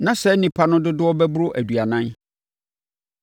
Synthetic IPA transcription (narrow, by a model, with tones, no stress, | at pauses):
nã˨sɛ˨˦nĩ˨pʰa˦nʊ̃˦dʊ˦dɪ˦ɔ˦bɛ˦bʊ˦ɾʊ˦ʔæ˨du˨a˨nã˦n